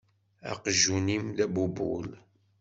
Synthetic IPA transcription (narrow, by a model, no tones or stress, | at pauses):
æ̰qʒunimðæbubṵl